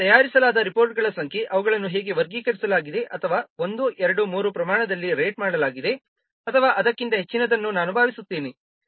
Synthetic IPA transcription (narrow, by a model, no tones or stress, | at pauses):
t̪ɐjaːɾisɐlaːd̪ɐɾipo̞ːɾʈ̚ɡɐɭɐsɐŋkʰe̞ʔɐʋɐɡɐɭɐnːuɦeːɡe̞ʋɐɾɡiːkɐɾisɐlaːɡid̪e̞ʔɐt̪ʰɐʋaːo̞nd̪uʔɛɾɐɽumuːɾupɾɐmaːɳɐd̪ɐlːiɾeːʈ̚maːɽɐlaːɡid̪e̞ | ɐt̪ʰɐʋaːʔɐd̪ɐkːint̪ɐɦe̞t͡ʃːinɐd̪ɐnːunaːnubʱaːʋisut̪ːiːni